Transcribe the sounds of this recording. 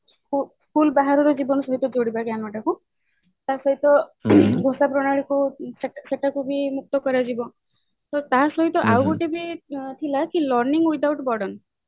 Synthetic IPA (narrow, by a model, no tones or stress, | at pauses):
u | kulbaɦaɾɔɾɔd͡ʒibɔnɔsɔɦit̪ɔd͡ʒoɽibaɡjanɔʈaku | t̪asɔɦit̪ɔɡʱosapɾɔɽ̃aɭikuseseʈakubʱimuk̚t̪ɔkɔɾad͡ʒibɔ | t̪ɔt̪asɔɦit̪ɔʔawɡoʈebit̪ʰilakilɔɾniŋɡwid̪awʈbɔɽɔn